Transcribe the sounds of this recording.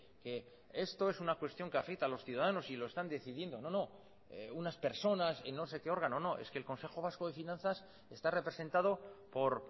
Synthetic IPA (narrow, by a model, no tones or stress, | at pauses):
ke̞ | est̪o̞e̞sunakwe̞st̪jo̞ŋke̞afe̞k̚t̪aːlo̞sθjuðaðano̞silo̞e̞st̪and̪e̞θiðje̞nd̪o̞no̞no̞ | eunaspe̞ɾso̞nasḛnːo̞se̞ke̞o̞ɾɣano̞no̞ʔe̞̰skeːlko̞nse̞xo̞β̞askoðe̞finãnθas | e̞st̪are̞pɾe̞se̞nt̪að̞o̞po̞ɾ